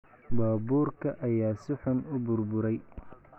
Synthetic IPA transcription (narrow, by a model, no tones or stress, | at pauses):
bɑːbuːrkʰɐʔɐjaːsɪħʊnʊbʊrbʊɾɛj